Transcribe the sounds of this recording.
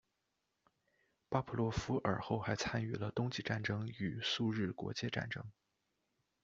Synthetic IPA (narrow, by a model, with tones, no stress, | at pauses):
pa˥pʰu˧˥lwɔ˥˩fu˥ʔə̰˞˨˩xo˥˩ʊxa˧˥ɪt͡sʰa˥ny˥˩lə˦t̪ʊ˥ŋt͡ɕi˥˧ʈ͡ʂa˥˩nʈ͡ʂɤ˥ŋy˨˩su˥˧ɻɻ̩˥˩kwɔ̰˧˥t͡ɕjɛ˥˧ʈ͡ʂa̰˥˩nʈ͡ʂɤ˥ŋ